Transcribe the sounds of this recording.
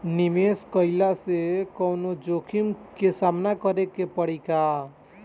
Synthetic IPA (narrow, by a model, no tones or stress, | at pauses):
nimeskəɪlasekəwnod͡ʒokʰimkesamnakəɾekepəɽ̤ika